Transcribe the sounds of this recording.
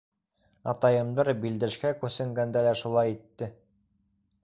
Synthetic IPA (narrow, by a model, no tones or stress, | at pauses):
ɑ̰t̪ɑjɤ̆md̪ɑɾbild̪ɘ̆ʃkækʉsɘ̆ŋɡænd̪ælæʃulˠɑjit̪ːɘ